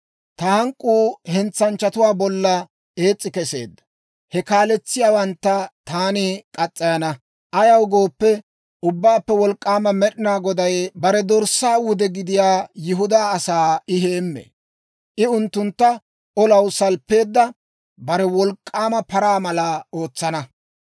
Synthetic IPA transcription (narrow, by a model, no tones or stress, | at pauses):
t̪ɐhɐŋkʼːuːhɛnt͡sːɐnt͡ʃːɐt̪ʊwaːbɔlːɐ | e̞ːt͡sʼːɪkɛse̞̰ːd̪ːɐ̥ | hɛkaːlɛt͡sːɪjaːwɐnt̪ːɐt̪aːnɪkʼɐt͡sʼːɐjɐnɐ | ʔɐjɐwɡoːpːɛ | ʔʊbːaːpːɛwɔlkʼːaːmɐmɛɗɪnaːɡɔd̪ɐjbɐɾɛd̪ɔɾsːaːwʊd̪ɛɡɪd̪ɪjaːjɪɦʊd̪aːsaːɪɦe̞ːmːḛ | ʔɪʊnt̪ːʊnt̪ːɐ | ʔɔlɐwsɐlpːe̞ːd̪ːɐ | bɐɾɛwɔlkʼːaːmɐpɐɾaːmɐlɐo̞ːt͡sːɐnɐ